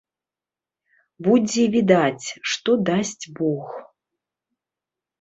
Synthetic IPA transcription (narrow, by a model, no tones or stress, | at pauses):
bud͡zʲɛvʲid̪at͡sʲʂt̪ɔd̪asʲt͡sʲbɔx